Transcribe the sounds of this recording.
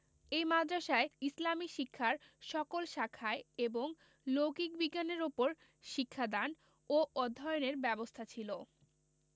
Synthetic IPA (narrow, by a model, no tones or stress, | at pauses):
ejmad̪ɾaʃaeislamiʃikʰːaɾ | ʃɔkolʃakʰaeeboŋ | loɡik̚biɡːaneɾupoɾ | ʃikʰːad̪an | oɔd̪ʱːɔjoneɾbɛbost̪ʰat͡ɕʰilo